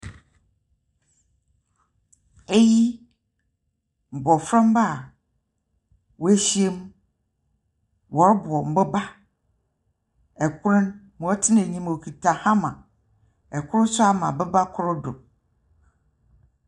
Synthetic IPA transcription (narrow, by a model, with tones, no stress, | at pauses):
e˦ji˦ | m̩˨bɔ˨fɾã˦m˦ba˦˨ | wɔ˦æ˦ɕi˦e˦m | wɔ˨ɾbʊ˨ɔ˨m̩˨bɛ˦ba˦ | ɛ˨kʰʊ˦ɾɪ̃˦n | mũ˨ɔ˦tʰɪ˦nã˨ɲĩ˦m˨o˨kʰi˨tʰa˨hã˦mã˨ | ɛ˨kʰʊ˦ɾʊ̃˦sʊ˦a˨mã˨bɛ˦ba˦kʰʊ˦ɾʊ˦dʊ˨